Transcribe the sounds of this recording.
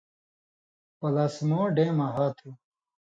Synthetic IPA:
pɐlaːsmoːɖẽːmɐɦaːt̪ʰu

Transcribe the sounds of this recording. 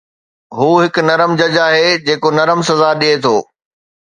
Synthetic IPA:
ɦuːɦɪknɐɾəmd͡ʑɐd͡ʑaːɦeːd͡ʑeːkonɐɾəmsɐzaɗiet̪ʰoː

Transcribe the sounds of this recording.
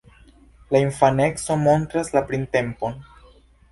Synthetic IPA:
laiɱfane̞kso̞mo̞nt̪ɾaslapɾinte̞mpo̞n

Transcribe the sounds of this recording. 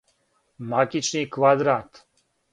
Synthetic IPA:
makit͡ʃnikʋad̪ɾaːt̪

